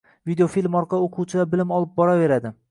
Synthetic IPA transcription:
vid̪eofilʲmɒɾqɑoqʰuwt͡ʃʰɪd̪abɪlɪmɒlˠɪp̚bɒɾave̞ɾad̪ɪ

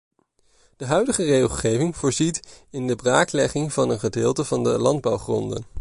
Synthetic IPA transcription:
d̥əɦœɥdəχərejχlˠχejvɪŋvʊːɹzitɪndəbraːklɛχɪŋvɑnənχədɪːlˠtəvɑndəlɑnd̚bʌwχrɔ̰ndə̰n

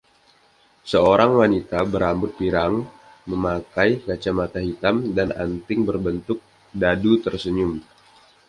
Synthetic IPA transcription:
səoɾaŋwanit̪abəɾambʊt̪̚piɾaŋ | məmakajkat͡ʃamat̪aɦit̪amdana̰nt̪ɪŋbərbənt̪ʊk̚ | dadut̪ərsəɲʊm

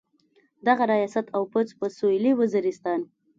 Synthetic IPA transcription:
d̪aɣaɾajɑsat̪ʰawpət͡spəsoliwəziɾɪst̪ɑn

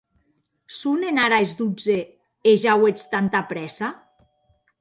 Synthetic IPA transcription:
sunenaɾaezd̪ud͡ze | eʒawet͡st̪ant̪apɾɛsa

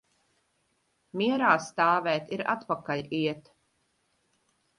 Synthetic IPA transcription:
miɛɾaːst̪aːvɛːt̪iɾa̰t̪pakaʎʲiɛt̪

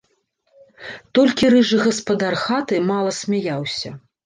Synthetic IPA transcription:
t̪ɔlʲkʲiɾɨʐɨɣɐspɐd̪arxat̪ɨmalˠɐsʲmʲajawsʲɐ

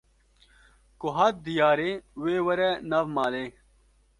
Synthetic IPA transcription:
koɦɐt̪̚d̪ijaːɾeweːwɐɾenɐvmaːle

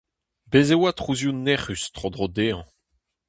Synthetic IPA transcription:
bezewat̪χuzjunɛʁyst̪χod̪ʁod̪eːɑ̰̃

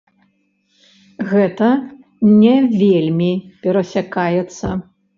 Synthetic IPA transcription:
ɣɛt̪ɐ | nʲɛvʲelʲmʲipʲɛɾɐsʲakajɛt̪sːɐ

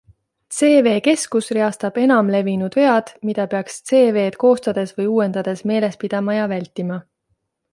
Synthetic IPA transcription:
t̪se̞ːve̞ːke̞skusreɑst̪ɑb̥e̞nɑmle̞vinud̪̥veɑd̪̥mid̪̥ɑpe̞ɑkst̪se̞ːve̞ːt̪ko̞ːst̪ɑd̪̥e̞svɤjuːe̞nd̪̥ɑd̪̥e̞sme̞ːle̞spid̪̥ɑmɑjɑvælʲt̪ːˑimɑ

